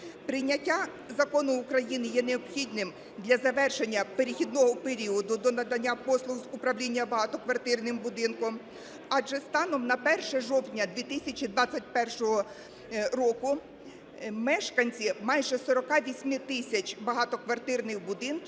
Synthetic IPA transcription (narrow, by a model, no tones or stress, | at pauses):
pɾɪjnʲɐtʲːa | zɐkɔnʊːkɾɐjinɪjɛneɔbxʲid̪nɪm | d̪lʲɐzɐʋɛrʃenʲːɐpeɾʲɪxʲid̪nɔɦɔpeɾʲiɔd̪ʊd̪ɔnɐd̪ɐnʲːapɔslˠʊɣzʊpɾɐwlʲinʲːɐbɐɦɑt̪ɔkʋɐrt̪ɪrnɪmbʊd̪ɪnkɔm | ɑʒɛst̪ɑnɔmnɐpɛrʃɛʒɔwt̪ʲnʲɐd̪ʋʲit̪ɪsʲɐt͡ʃʲid̪ʋɑt͡sʲːɐt̚ʲpɛrʃɔɦɔ | ɾɔkʊ | mɛʃkɐnʲt͡sʲimɑjʒɛsɔɾɔkɑʋʲisʲmɪt̪ɪsʲɐt͡ʃʲbɐɦɑt̪ɔkʋɐrt̪ɪrnɪxbʊd̪ɪnk